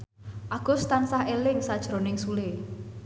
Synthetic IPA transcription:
ʔaɡ̥o̤st̪ansaɦelɪŋsad̥ʒ̥ɾo̤nɪŋsule

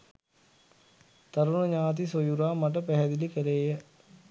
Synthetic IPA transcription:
t̪ɐɾunɐɲaːt̪̬isojuɾaːmɐʈɐpɛɦɐd̪ilikɐleːjɐ

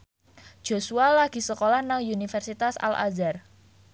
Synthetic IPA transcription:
ʒ̥osualaɡ̥i̤səkolahnaŋjunifɛrsit̪asa̰la̰zar

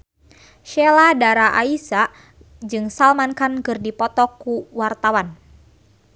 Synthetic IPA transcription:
ʃɛladaɾaʔaisa | d͡ʒɨŋsalmankankɨrdipɔt̪ɔkːuwart̪awan

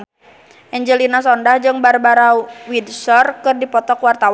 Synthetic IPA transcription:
ʔɛɲd͡ʒəlinas̬ɔndahd͡ʒɨŋbarbaɾawidsɔrkɨrdipɔt̪ɔkwart̪awa

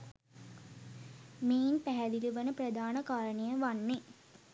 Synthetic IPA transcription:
meːinpæɦæd̪iluʋənəprəd̪aːnəkaːɾənejəʋanːe

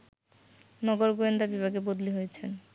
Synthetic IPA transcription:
nɔɡoɾɡoend̪abibʱaɡebod̪liɦojet͡ɕʰen

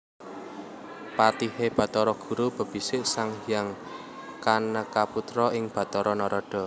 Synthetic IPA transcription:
pat̪iheb̥ä̤t̪ɔɾɔɡ̥ṳɾub̥ə̤b̥i̤sɪʔsaŋijaŋ | kanəkaput̪ɾɔɪŋb̥ä̤t̪ɔɾɔnɔɾɔɖ̥ɔ̤

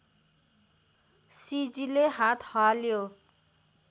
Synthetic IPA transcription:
sid͡zileɦat̪ʰhʌljo

